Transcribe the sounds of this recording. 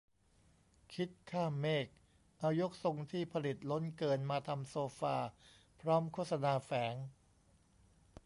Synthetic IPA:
kʰi˦˥t̪̚kʰaː˥˩mːeː˥˩k̚ | ʔa˧wjo˦˥k̚so˧ŋt̪ʰiː˥˩pʰa˧li˨˩t̪̚lo˦˥nkɤː˧nmaː˧t̪ʰa˧msoː˧faː˧pʰɾɔː˦˥mkʰoː˥˩t̪̚sa˧naː˧fɛː˩˦ŋ

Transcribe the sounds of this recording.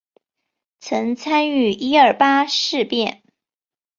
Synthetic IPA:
t͡sʰɤ˧˥ŋt͡sʰa˥ny˥˩i˥ə˞˥˨˩pa˥ʂɻ̩˥˧pjɛ˥˩n

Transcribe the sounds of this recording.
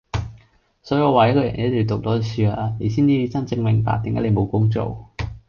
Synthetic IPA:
sɔː˨˥jːwaː˨˩je˨˥kʰːjɐ̰˨˩n˨e˨˦˥t̪i˨˩t̪ʊ˨k̚t̪ɔː˨˥˨syː˧a˧ne˨˩siː˥˩nt͡siː˧ji˧t͡sɐ˥nt͡sɪ˧ŋmɪ˨˩ŋpa̰ː˨k̚t̪ɪ˨ŋka̰˨˥le˨˧jmo˨˧wkʊ˥ŋt͡so̰˨˩w

